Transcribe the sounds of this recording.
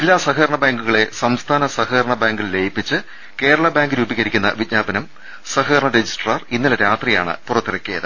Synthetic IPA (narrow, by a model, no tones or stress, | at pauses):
ilːaːsɐɦɐːɾɐɳɐbaːŋɡuɣɐɭe̞sɐmst̪ʰaːnɐsɐhɐːɾɐɳɐbaːŋɡillejipːit͡ɕːɨ | ke̞ːɾɐɭɐbaːŋɡɨɾuːbiɣɐɾikʲːunːɐ̰ʋitɲaːbɐnɐm | sɐhɐːɾɐɳɐɾed͡ʑisʈrɐrinːileɾaːt̪rija̰ːɳɨ̰purɐt̪ːirɐkːijɐ̰ðɨ